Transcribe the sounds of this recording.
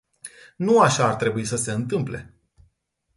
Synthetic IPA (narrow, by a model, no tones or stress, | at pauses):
nuaʃaːrt̪ɾe̞buisəse̞ɨnt̪ɨmple̞̰